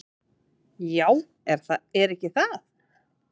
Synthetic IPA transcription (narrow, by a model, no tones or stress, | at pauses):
jaːw | ɛɾ̥θaðɛɾɛhcɪθaθ